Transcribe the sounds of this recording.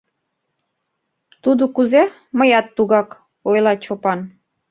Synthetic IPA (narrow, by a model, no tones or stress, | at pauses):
t̪ud̪okuze | məjɑt̪ːuɣɑk | ojlɑt͡ɕopɑn